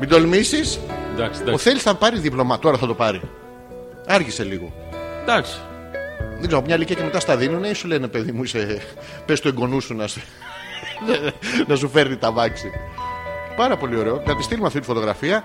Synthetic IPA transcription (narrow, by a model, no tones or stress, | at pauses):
mid̪olmisisd̪ɐksoθe̞lisθɐpɐɾiðiplo̞mɐt̪o̞ɾɐθɐt̪o̞pɐɾḭ | ɐɾʝise̞liɣo̞̰d̪ɐksi̥ | ðeɡzeɣomɲɐliciɐceme̞t̪ɐst̪ɐðinuneisule̞nepe̞ðimuise̞ | pest̪ueɡo̞nusunɐse | nɐs̬ufeɾnit̪ɐvɐksi | pɐɾɐpo̞lio̞ɾe̞ok̪ɐt̪ist̪ilumeɐft̪it̪i̥fo̞t̪o̞ɣɾɐfiɐ